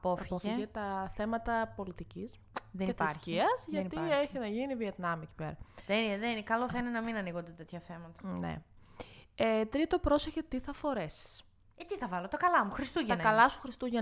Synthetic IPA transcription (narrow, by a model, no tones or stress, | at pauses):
ɐpofɐpofiet̪ɐθe̞mɐt̪ɐpo̞lit̪icis | ðenet̪issçciɐzʝɐnieçinɐʝinivie̞t̪nɐmici̥pe̞̰ɾɐðenineðeninekɐloθɐinenɐminɐniɣond̪et̪e̞t̪çɐθemɐt̪ɐ̥nḛ | et̪ɾit̪o̞pɾo̞seçet̪iθɐfo̞ɾe̞si̥s | et̪iθɐvɐlot̪ɐkɐlɐmuxɾist̪uʝeɐnkɐlɐsu̥xɾist̪uʝɐ